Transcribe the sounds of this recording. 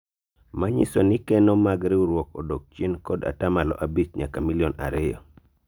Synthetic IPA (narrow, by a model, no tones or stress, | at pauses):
maɲɪ̰sɔnɪkɛnɔmaɡɾɪuɾwɔkɔdok̚t͡ʃenkɔda̰tamalɔ̰ʔabit͡ʃɲakamiljɔna̰ɾɪjɔ̰